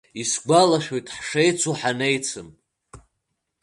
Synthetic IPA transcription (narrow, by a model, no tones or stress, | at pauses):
isɡʷalaʃᶣojtʼħʂe̞jt͡sʰuħane̞jt͡sʰɨm